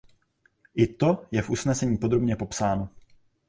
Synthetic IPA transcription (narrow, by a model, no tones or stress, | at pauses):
ʔɪt̪o̞jɛfʔusnɛsɛɲiːpo̞d̪ɾo̞bɲɛpo̞psaːno